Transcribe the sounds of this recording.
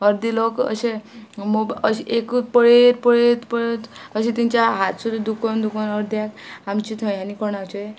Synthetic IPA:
əɾd̪ilokə̰ɕemobəɕekpəɭeɾpəɭet̪pəɭet̪əɕẽt̪iɲt͡ɕjaɦat̪suɾud̪ukɔnd̪ukɔnəɾd̪jakamt͡ɕit̪ʰə̃jɦanikɔɳat͡ɕoe

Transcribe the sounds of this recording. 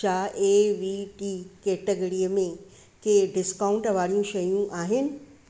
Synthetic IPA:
aːʔeːʋiʈiːkeːʈəɡəɾiəmẽ | keɖɪskaːʊ̃ɳʈʋaːɾijũʃɐjũʔaːɦɪnɪ̆

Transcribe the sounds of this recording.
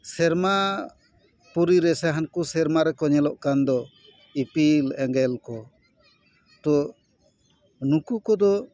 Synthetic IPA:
sɛɾma | puɾiɾɛsaɦankusɛɾmaɾɛkɔɲɛlɔʔkand̪ɔ | ipilɛŋɡɛlkɔ | t̪ɔ | nukukɔd̪ɔ

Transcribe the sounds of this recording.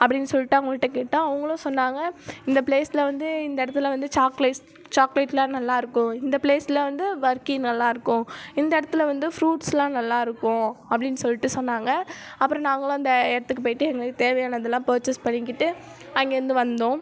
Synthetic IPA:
ɐpːɐɽɪnːɯsɔlːɪʈːɐɐŋɡɐɭʈːɐkeːʈːãːɐʋɐŋɡɐɭʊ̃sɔnːaːŋɡɐɪnd̪ɐpɭeːsɪlɐʋɐnd̪ɯɪnd̪ɐɪɽɐt̪ːɯlɐʋɐnd̪ɯt͡ʃaːklɐɪs | t͡ʃaːklɐɪʈːlãːnɐlːaːɪɾɯkːʊ̃ɪnd̪ɐpleːsɪlɐʋɐnd̪ɯʋɐɾkɪŋnɐlːaːɪɾɯkːʊ̃ɪnd̪ɐɪɽɐt̪ːɯlɐʋɐnd̪ɯfɾuːʈslãːnɐlːaːɪɾɯkːʊ̃ɐpːɐɽɪnːɯsɔlːɪʈːɯsɔnːaːŋɡɐɐpːɯɾɔ̃nãːŋɡɐɭʊ̃ɪnd̪ɐɪɽɐt̪ːɯkːɯp̬oːjɪʈːɯɛŋɡɐɭɯkːɯt̪eːɾʋɐjaːnɐɐðɛlːãːpɐːɾt͡ʃɛspɐɳːɪkːɪʈːɯ | ɐŋɡeːɾɐnd̪ɯʋɐnd̪õː

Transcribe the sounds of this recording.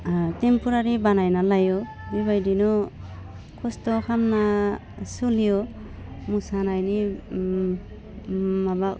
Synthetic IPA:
tempuɾaɾibanajnalajɔ | bibajdinɔ | kʰɔstɔkʰamna | sulijɔ | musanajni | mabak̚

